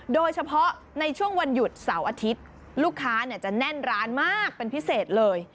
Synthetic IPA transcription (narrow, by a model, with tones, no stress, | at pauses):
doː˧jt͡ɕʰa˧pʰɔ˦˥ | na˧jt͡ɕʰu˥˩əŋwa˧nju˨˩t̪̚sa˩˦wʔaː˧t̪ʰi˦˥t̪̚ | luː˥˩kʰːaː˦˥ni˥˩t͡ɕa˨˩nɛ˥˩nɾaː˦˥nmaː˥˩k̚pe˧npʰi˦˥seː˨˩t̪̚lɤː˧j